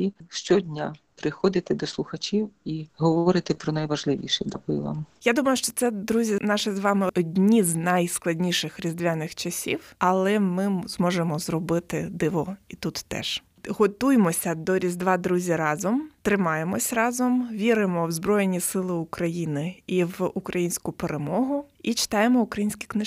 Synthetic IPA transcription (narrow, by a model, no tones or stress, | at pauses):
iʃt͡ʃɔdʲnʲapɾɪxɔd̪ɪt̪ɪd̪ɔslˠʊxɐt͡ʃʲiwiɦɔʋɔɾɪt̪ɪpɾɔnɐjʋɐʒlˠɪʋʲḭʃɛdʲakʊjʊ̰ʋa̰mjad̪umɐjʊʃt͡ʃɔt̪sɛd̪ɾuzʲinɑʃɪzʋɑmɪɔdʲnʲiznajsklˠɐdʲnʲiʃɪxɾʲizd̪ʋʲanɪxt͡ʃɐsʲḭwɐlˠɛmɪzmɔʒemɔzrɔbɪt̪ɪd̪ɪʋɔit̪ut̪ːɛ̰ʒ̥ | ɦɔt̪ujemɔsʲɐd̪ɔɾʲizd̪ʋɑd̪ɾuzʲiɾɑzɔmt̪ɾɪmɑjemɔsʲrɑzɔmʋʲiɾɪmɔwzbɾɔjenʲisɪlˠɪʊkɾɐjinɪiwukɾʔɐjinʲsʲkʊpeɾemɔɦʊit͡ʃɪ̥t̪ɑjemɔʊkɾɐjinʲsʲkʲi̥knɪ